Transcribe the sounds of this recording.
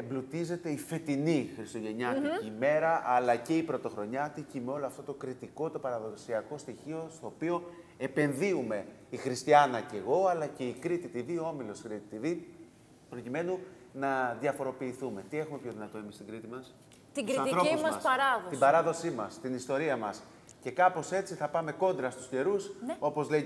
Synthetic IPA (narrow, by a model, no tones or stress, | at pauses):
emblut̪ize̞t̪e̞ife̞t̪inixɾist̪o̞ʝe̞ɲɐt̪iːme̞ɾɐʔɐlɐce̞ipɾo̞t̪o̞xɾo̞ɲɐt̪icimeo̞loɐft̪ot̪o̞kɾit̪iko̞t̪o̞pɐɾɐðo̞siɐko̞st̪içio̞st̪o̞ːpio̞ | e̞pe̞nðiume̞ | ixɾist̪iɐnɐce̞ɣo̞ɐlɐce̞ikɾit̪it̪ivioo̞milo̞skɾit̪it̪ivi | pɾo̞cime̞nu | nɐðjɐfo̞ɾo̞piːθume̞t̪ie̞xumepço̞ðinɐt̪o̞e̞mist̪iɡɾit̪imɐs | t̪iɡɾiɾosɐsɐsɐɾɐðot̪ibɐɾɐðo̞simɐst̪inist̪o̞ɾiɐmɐs | ce̞kɐpo̞se̞t͡siθɐpɐme̞ko̞nd̪ɾɐst̪u̥sce̞ɾuso̞po̞zle